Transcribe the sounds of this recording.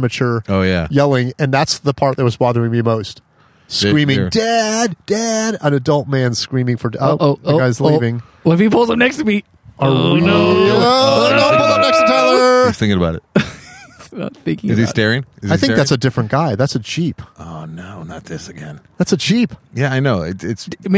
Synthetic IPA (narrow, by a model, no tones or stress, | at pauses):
mɨt͡ʃʊ˞oʊjæ̰jɛlˠɪ̃ŋɨ̃nðætsðəpʰɑɹt̪̚ðət̚wʌzbɑðə˞ɪ̃ŋmimoʊst̚ | skkɹĩmɪ̃dɛd̚d̥æɾə̃nɨdʌlˠt̚mæ̃n̥skɹĩmɪ̃ŋfə˞oʔoʊɡaɪzlivɪ̃ŋ | fipʰʊlˠzə̃mnɛkstəmi | ʔə˞woonopʰʊlˠə̃m̚nɛkstədɛlˠə˞θɪ̃kɪ̃ŋəbaʊɾɨ̰t̚ | ma̰t̪θɪ̃ŋkɪ̃ŋɨzistɛɹɪ̃ŋɪzaɪθɪ̃ŋ̚ðætsɨdɪfɹɨ̃nɡ̥aɪðætsɨt͡ʃʰipʔonoʊnə̰t̪̚ðɪsɨɡɛ̃nðætsɨt͡ʃʰipjæaɪnoʊɪ̰tɪtsm